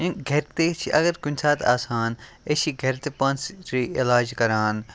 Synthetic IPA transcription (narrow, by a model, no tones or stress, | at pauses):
iɡʱɐɾt̪eːt͡ʃʰiʔɐɡɐɾkʊnʲsaːt̪a̰ːsaːn | et͡ʃʰiɡʱɐɾt̪epɐnsɾiilaːd͡ʒkɐɾaːn